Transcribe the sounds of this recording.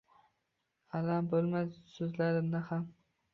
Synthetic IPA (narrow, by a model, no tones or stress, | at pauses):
alambolˠmasɵzlaɾɪnd̪aham